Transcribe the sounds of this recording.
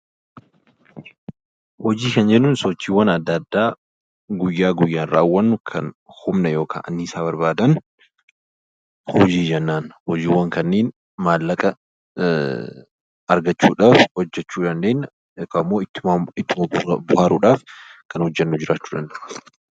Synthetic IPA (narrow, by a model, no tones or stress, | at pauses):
hɔd͡ʒiːkɐnd͡ʒɛnːʊːnsɔt͡ʃːiːwːɐnɐd̪ːɐd̪ːaː | ɡʊjːaːɡʊjːaːnɾaːwːɐnkʰɐ̰nhʊmnɐjo̞ːkʰa̰ːʔɐ̰nːɪːsaːbɐɾbaːd̪ɐn | hɔd͡ʒiːd͡ʒɛnːaːnhɔd͡ʒiːwːɐŋkɐnːeːn | maːlːɐkʼɐ | ɐɾɡɐt͡ʃːuːᶑaːfhɔd͡ʒːɛt͡ʃːuːᶑɐnd̪eːnːɐ | ɛkːɐɪmːoːɪɪɪt̪ːɪmɐbʊhaːɾʊːᶑaːfkɐnhɔd͡ʒːɛnːʊd͡ʒɪɾʔaːt͡ʃːu̥ːᶑɐnd̪ɐʔ